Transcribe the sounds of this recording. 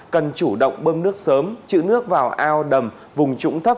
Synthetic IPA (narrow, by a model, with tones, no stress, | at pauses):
kə˨˩nt͡ɕu˧˩ɗo̰˧˨wŋ͡mɓəː˧mnɨ˦˥ək̚səː˨˦mt͡ɕɨ̰˧˨nɨ˦˥ək̚vaː˨˩wʔaː˧wɗə˨˩m | vʊ˨˩ŋ͡mt͡ɕʊ̰˧˥ŋ͡mt̪ʰə˦˥p̚